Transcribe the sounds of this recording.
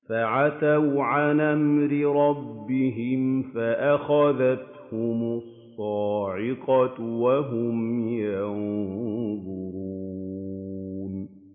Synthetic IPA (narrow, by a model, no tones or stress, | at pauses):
faʕaθawʕanʔamɾɪɾˤɑbːɪɦɪmfaʔaxaðat̪ | hʊmʊsˤːɑːʕɪqɑwaɦʊmjɑn | ðˤʊɾuː | n